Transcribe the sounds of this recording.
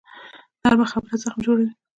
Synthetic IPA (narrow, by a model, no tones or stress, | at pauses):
d̪̥aɾbaxabəɾazaxmd͡ʒoɽawi